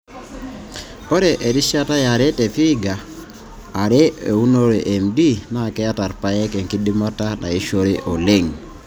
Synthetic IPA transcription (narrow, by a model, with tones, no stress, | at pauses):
o˦ɾɛ˨ʔe˨ɾi˦ʃa˦ta˦ja˨ɾɛ˦tɛ˨fi˦ɡaː˨ | ɾɛ˦e˨u˦no˦ɾe˨ʔɛ˨mdi˦na˦˨kɛ˦a˦ta˨ɾpa˨jɛ˦kɛ˨ŋki˦di˦ma˦ta˦na̰˨i˦ʃo˦ɾi˦ʔɔ˨le˦˨ŋ